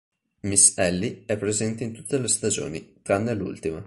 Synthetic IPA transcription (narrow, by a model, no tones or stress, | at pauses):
misɛlːiɛpːɾezɛnt̪eint̪ut̪ːelest̪ad͡ʒo̰ːnḭkanːɛlːṵlt̪ima